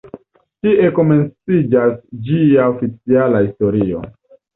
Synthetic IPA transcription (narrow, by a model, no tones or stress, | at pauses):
tie̞ko̞me̞nt͡sid͡ʒasd͡ʒiaofit͡sialahisto̞ɾio̞̰